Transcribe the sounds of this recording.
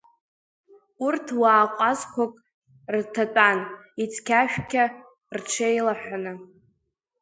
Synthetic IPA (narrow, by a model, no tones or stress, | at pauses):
urtʰwaːqʷʼazkʷʰakʼ | rtʰatʼan | it͡sʰkʲʰaʃᶣkʲʰa | rʈ͡ʂʰejlaħʷᶣanɨ